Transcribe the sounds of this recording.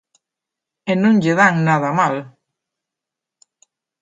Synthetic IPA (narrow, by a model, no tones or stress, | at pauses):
enũŋʎeðaŋnaðamal